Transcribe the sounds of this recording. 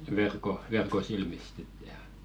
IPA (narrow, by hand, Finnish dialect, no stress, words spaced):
ʋerko ʋerko silmist sit jɑˑ